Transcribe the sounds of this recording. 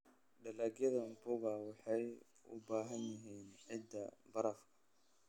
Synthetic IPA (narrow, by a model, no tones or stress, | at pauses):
ɖɐlaɡjɐðɐmbʊɣɐwɑħɑj | ʊ̰baːɦɐnːɪɦiːnʕɪd̪ɐbɐɾɐfkʰɐ̥